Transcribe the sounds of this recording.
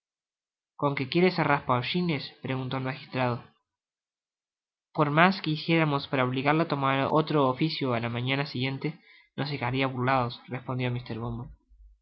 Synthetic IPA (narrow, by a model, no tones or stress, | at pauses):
ko̞ŋke̞kje̞ɾeseraspawʃinespɾe̞ɣunt̪o̞lmaxist̪ɾað̞o | po̞ɾmaskeisje̞ɾamo̞spaɾaoβliɣaɾlat̪o̞maɾo̰t̪ɾoːfisjoalamãɲanasiɣje̞nt̪e̞ | nosekaɾiaβuɾlaðo̞srespo̞nd̪jo̞mist̪eɾβombol